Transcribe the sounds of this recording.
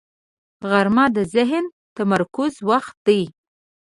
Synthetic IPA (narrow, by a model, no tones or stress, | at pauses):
ɣaɾmɑd̪əzɪɦn | t̪amaɾkʊzwaxt̪̚d̪aj